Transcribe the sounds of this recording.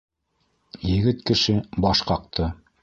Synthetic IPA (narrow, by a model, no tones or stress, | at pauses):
jɘ̆ɡɘt̪kɘ̆ʃɘbɑʃqɑq̚t̪ɤ